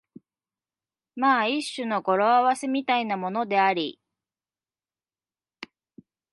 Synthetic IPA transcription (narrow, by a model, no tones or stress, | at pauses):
maːiɕːɨno̞ɡo̞ɾo̞aβase̞mʲit̪ainamo̞no̞d̪e̞aɾʲḭ